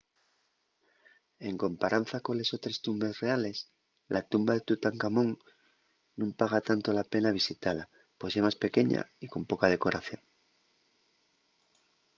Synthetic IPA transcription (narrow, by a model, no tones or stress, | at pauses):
e̞ŋko̞mpaɾan̟θako̞nle̞so̞t̪ɾe̞st̪umbe̞sre̞ale̞s | lʔat̪umbaðe̞t̪ut̪aŋkamõ̞ŋ | nũmpaɣ̞at̪ant̪o̞lape̞naβ̞isit̪ala | po̞semaspe̞ke̞ɲa̰iko̞mpo̞kað̞e̞ko̞ɾaθjo̞̰ŋ